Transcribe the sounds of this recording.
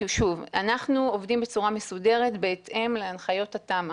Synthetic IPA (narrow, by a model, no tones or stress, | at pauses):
ʃuvanaχnuovdimbe̞t͡suʁamesude̞ʁetbeːte̞mleanχajo̞tatam